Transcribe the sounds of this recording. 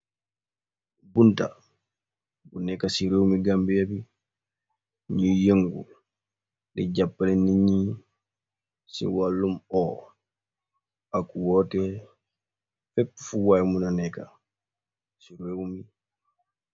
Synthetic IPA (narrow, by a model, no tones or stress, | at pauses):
bunta̰ | bunːɛkasiɾewmiɡambɛjabi | ɲijeŋɡṵ | dɛd͡ʒapːalinːiɲi | sḭwalːumɔ | akuwɔtɛ | fɛpːfuwajmunanɛka̰ | siɾewmi